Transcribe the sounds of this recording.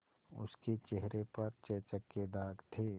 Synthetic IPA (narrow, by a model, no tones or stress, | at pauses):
ʊ̰sket͡ʃeɦɾepɐɾt͡ʃɛːt͡ʃəkːed̪aːɡt̪ʰeː